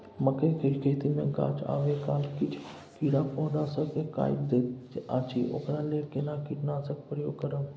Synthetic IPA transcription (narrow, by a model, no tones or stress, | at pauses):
məkekəɾkʰet̪imḛ̃ɡa̰ːt͡ʃa̰ːʋekaːlkɪt͡ʃʰ | kiːɽaːpõːɖaːsəkeka̰ːɪb̚d̪eaːt͡ʃʰiʔo̰ːkɾaːleːʈkeːnaːkiʈnaːsək̚pəɾjo̰ːɡkəɾəm